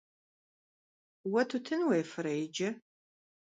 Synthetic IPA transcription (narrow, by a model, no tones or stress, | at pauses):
wɐtʰutʰɨnwejfɨɾɐjɪd͡ʒɐ